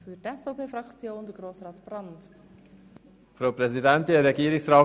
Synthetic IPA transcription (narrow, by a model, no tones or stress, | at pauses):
fytɛsfɔʊpʰeːfɾɑkt͡sjoːnd̥̪əɡ̥ɾoːsrɑːtb̥rɑnt | fɾoːpɾɛzidɛntɪəɾɛɡiːɾɪksɾaː